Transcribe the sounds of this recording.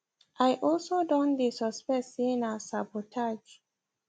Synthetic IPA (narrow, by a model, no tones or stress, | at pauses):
ʔajʔɔlsodɔ̃ndisɔspɛsinasabotʰad͡ʒ